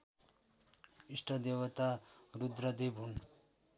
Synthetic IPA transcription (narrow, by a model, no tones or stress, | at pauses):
isʈʰʌd̪ewʌt̪aɾud̪ɾʌd̪ebʱun